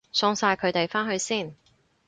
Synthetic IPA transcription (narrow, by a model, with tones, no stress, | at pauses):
sɔː˧ŋsaː˧jkʰɵ˨˧ɥt̪e˨jfaː˥nɦɵ˧ɥsiː˥˩n